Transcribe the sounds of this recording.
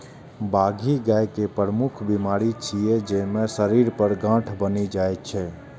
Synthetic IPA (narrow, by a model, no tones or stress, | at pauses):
baɡʱiɡajkepəɾəmukʰbimaɾit͡ʃʰijed͡ʒemẽsəɾiɾpəɾɡãʈʰbənid͡ʒajt̪̚t͡ʃʰɛ